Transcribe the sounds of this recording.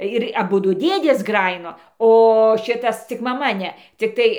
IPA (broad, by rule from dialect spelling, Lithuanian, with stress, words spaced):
ɪr ɐˈbʊdʊ ˈdʲeːdʲeːs ˈɡrɑːjɪnoː oː ˈʃʲɪtɐs t͡sʲɪk mɐˈmɐ ˈnʲɛ t͡sʲɪkˈtɐɪ